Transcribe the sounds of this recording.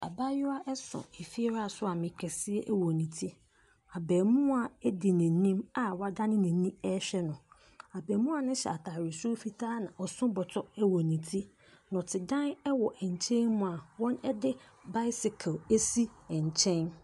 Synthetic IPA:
a̰˨ba˦jʊ˦a˦ʔɛ˦sʊ̰̃˨e˨fi˦ɛ˦ɾa˦a˨sʊ˦a˨mɪ̃˨kʰɛ˨sɪ˦ɛ˦ʔwɔ˨nĩ˨tʰi˦ | a˨bɛː˨mʊ̃˦a˨ɛ˦di˨nɪ̃˨nĩ˦ma˨wa˦dã˦nɪ̃˦nɪ̃˨nĩ˦ɛ˦ɕᶣɛ˦nʊ̃˨ | a˨bɛː˨mũ˦a˨nʊ̃˦ɕɛ̰˨a˨tʰaː˨ɾɪ˨su˦fi˦tʰaː˦nã̰˨ʔɔ˨sʊ̃˦bɔ˨tʰɔ˦ɛ˦wɔ˨nĩ˨tʰi˦ | nɔ̃˨tʰɪ˨dã˦nɛ˦wɔ˨ʔɛ˨ɲ˨t͡ɕʰɛ̃˦nmʊ̃˨a˨wɔ̃˦nɛ˦dɪ˦ | ba˦ɪ˦sɪ˨kʰa˨lɛ˦si˦ɛ˨ɲ˨t͡ɕʰɛ̃˦n

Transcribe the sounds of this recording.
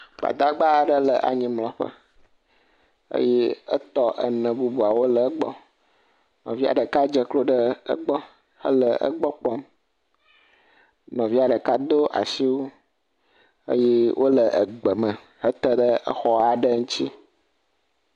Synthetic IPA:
ba̰˨d̪a˦ɡ͡ba˦˨ɖə˦lə˨ʔa̰˨ɲĩ˦mlɔ̃˨ɸə̰˦ | ə̰˦jɛ˦ə̰˦t̪ɔ˦ʔə˨nə̃˨bu˦bu˨a˨wo˦lə˨˦ɡ͡bɔ̰˦ | nɔ̃˨vi˦a̰˨ɖə˨ka˦d͡ʒə˨klo˦ɖə˦ə̰˦ɡ͡bɔ˦ | hə̰˦lə˨ʔə̰˦ɡ͡bɔ˦k͡pɔ˦m | nɔ̃˨vi˦a˨ɖə˨ka˦d̪o˦ʔa̰˨si˦wo˦ | ə̰˦jɛ˦wʔo˦lə˨ʔə˨ɡ͡bə˨mə̃˨ | hə˦t̪ə˦ɖə˦ə̰˦xɔ˦a˨ɖə˦ŋũ˦t͡ɕi˦

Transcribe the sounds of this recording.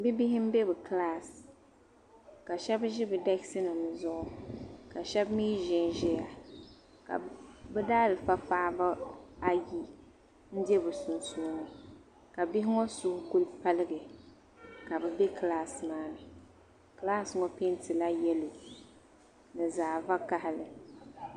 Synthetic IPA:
bi˦bi˦hɪ˦m̩˦be˦bɨ˨kla˦s | ka˨ʃɛ˦bʒɪ˦bɨ˨da˦ksi˦nɨ˨m˨zʊ˦ʔʊ˨ka˨ʃɛ˦bmiː˦ʒɪ˦nʒɛ˦ja˨ | ka̰˨bɨ˦daː˦lɨ˨fa˦faː˦ba˦a˦ji˦ | n̩˦dɛ˦bɨ˨sʊ˨nsu˦nɨ˨ | ka˨bɪ˦hɪ˦ŋɔ˦sʊ˦hʊ˦ɡu˦lpa˦lɨ˦ɡɨ˨ | ka˨bɛ˨bɛ˦klaː˦smaː˦nɨ˨ | kla˦˨sŋɔ˦pe˦ntɨ˨la˦jɛ˦lo˨ | nɨ˨zaː˨va˦ka˦hɪ˨lɨ˨

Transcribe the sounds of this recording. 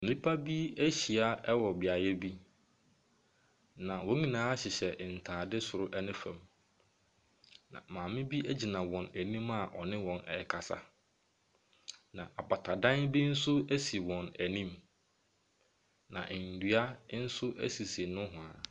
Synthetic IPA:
m̩˨nĩ˦pʰa˦bi˦æ˦ɕi˨a˦ɛ˦wɔ˨bɪ˨a˨jɛ˦bi˦ | nã˨wɔ̃˦ɲĩ˨nãː˨˦a˦ɕɪ˨ɕɛ˨n̩˨tʰaː˨dɪ˦sʊ˨ɾʊ˦ʔɛ˦nɪ̃˦fæ̃˨m | nã̰˨mãː˨mɪ̃˦bi˦æ˦d͡ʑi˨nã˨wɔ̃˨næ˨nĩ˦ma˨ʔɔ˨nɪ̃˦wɔ̃˨nɛ̰˨kʰa˨sa̰˦ | nã˨ʔa˨ba˨tʰa˨dã˦nbi˦n̩˦sʊ˦æ˦si˨wɔ̃˨næ˨nĩ˦m | nã̰˨ʔn̩˨dɥa˦n̩˦sʊ˦ʔæ̰˦si˨se˨nʊ̃˦ɦʊ̃˨a˨

